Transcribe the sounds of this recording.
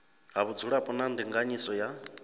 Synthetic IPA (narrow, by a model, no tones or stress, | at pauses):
ɦaβud͡zuɺapʼɔnandiŋɡaɲisɔja